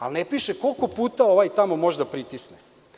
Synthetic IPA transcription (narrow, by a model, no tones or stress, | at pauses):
a̰lnepiʃeko̞lˠko̞puːt̪aoʋajt̪amo̞mo̞ʒd̪apɾit̪isne